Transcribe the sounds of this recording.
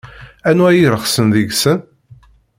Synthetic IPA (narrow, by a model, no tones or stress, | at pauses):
ænwæjiɾəχsənðiɡsən